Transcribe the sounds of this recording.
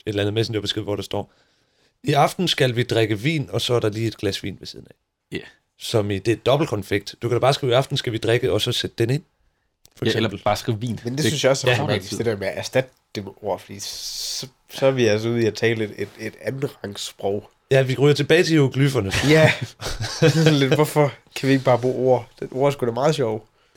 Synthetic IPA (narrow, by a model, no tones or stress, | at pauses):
ed̥lænð̩ˠmesn̩d̥eɐb̥esɡ̥eð̰ˠʋɒdɾɑ̈sd̥ɒ̰ː | iɑ̈fd̥n̩sɡ̥ælʋid̥ʁaɡ̥əʋḭːnɒ̽sɒ̽æɐɾ̥ɑ̈liːe̝d̥̚ɡ̥læsʋḭːnʋe̝siðˠən̩ɛ̰ | sɒ̽mid̥e̝d̥ɒ̽b̥l̩kʰɒ̽nfeɡ̥̚d̥d̥ukʰæɾ̥ɑbɑ̈ːsɡ̥ḭːiɑ̈fd̥n̩sɡ̥æʋid̥ʁaɡ̥əɒ̽sɒ̽sed̥əd̥ene̝n̰ | fɒ̥selɐb̥l̩b̥ɑ̈ːsɡ̥iʋḭːnmend̥esynsjɑɒsæmisd̥eɾeɐmeæʔæɐsd̥æd̥əd̥emeʔo̝ɐ̰fɒ̽d̥ḭːsɒ | sɒæʋiæls̬ɒuð̰ˠiæt͡sʰɛ̰ːlede̝d̥ed̥æn̩ʁɑ̈ŋsb̥ʁɔʊ̰ | jæʋiʁyːɐt͡sʰe̝b̥ɛːɪt͡sʰe̝oɡ̥lyfɐnəsjæ | sɒnle̝d̥ʋɒfɒkʰæʋie̝ɡ̥əb̥ɑ̈ːb̥o̝̰ːo̝ɐ̰d̥eno̝ɐ̰sɡ̥uʋeɐmɑ̈ːðˠɕɒʊ̰